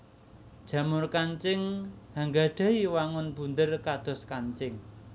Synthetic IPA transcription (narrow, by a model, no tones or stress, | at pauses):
d̥ʒ̥ä̤mʊrkaɲt͡ʃɪŋhaŋɡa̤ɖ̪̥ä̤iwaŋʊnb̥ṳnd̪ərkad̪̥ɔ̤skaɲt͡ʃɪŋ